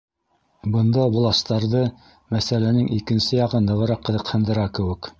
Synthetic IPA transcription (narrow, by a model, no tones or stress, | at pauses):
bɤ̆nd̪ɑbŭlˠɑst̪ɑɾðɤ | mæsælænɘŋʔikɘ̆nsɘjɑʁɤnd̪ɤ̆ʁɤ̆ɾɑqːɤ̆ðɤ̆qhɤ̆nd̪ɤ̆ɾɑkɘ̆wɘ̆k